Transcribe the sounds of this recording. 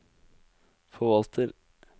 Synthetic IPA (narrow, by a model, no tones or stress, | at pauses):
fɔʋɑlt̪ʰəɾ